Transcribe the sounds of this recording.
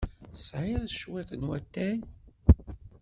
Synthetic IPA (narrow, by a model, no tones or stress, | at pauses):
sʕɪðˤʃwɪt̪ˤənwæt̪ːæn